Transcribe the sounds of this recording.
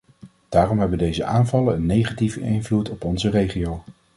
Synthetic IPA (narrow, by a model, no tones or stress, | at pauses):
d̥aːrɔmɦɛbəndejzəʔaːnvɑləənːejχativəʔɪnvlutɔpɔnzərejχiow